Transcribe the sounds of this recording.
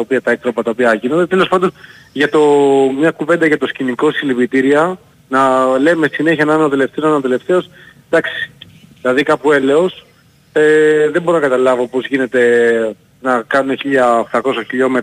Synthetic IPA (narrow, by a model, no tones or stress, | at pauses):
ɐopiɐt̪ɐekt̪ɾopɐt̪ɐopiɐʝino̞nd̪et̪e̞lospɐnd̪o̞n | ʝɐt̪o̞mɲɐkuve̞nd̪ɐʝɐt̪o̞sciniko̞silivit̪iɾiɐ | nɐle̞messine̞çiɐnɐno̞t̪e̞le̞ft̪eosnɐanot̪ele̞ft̪e̞o̞s | d̪ɐksi̥ | ðilɐðikɐpue̞le̞o̞s | eðebo̞ɾonɐkɐt̪ɐlɐvo̞po̞zʝine̞t̪e̞ | nɐkɐnuneçiʎɐoxt̪ɐko̞sɐçiʎo̞me